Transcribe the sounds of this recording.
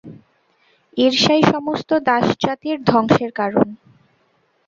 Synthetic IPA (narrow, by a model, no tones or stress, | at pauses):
iɾʃajʃɔmost̪od̪aʃd͡ʑat̪iɾd̪ʱɔŋʃeɾkaɾo̰n